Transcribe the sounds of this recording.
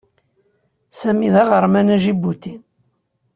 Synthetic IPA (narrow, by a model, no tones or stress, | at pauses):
sæmiðæʁəɾˤmænæʒibut̪in